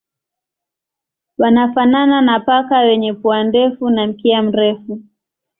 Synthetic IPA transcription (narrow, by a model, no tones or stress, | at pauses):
wanafanananapakawɛɲɛpuandɛfunam̩kiam̩ɾɛfu